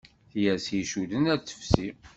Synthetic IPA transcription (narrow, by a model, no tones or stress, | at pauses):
θjæsiʃuðənæt͡sːə̥fsi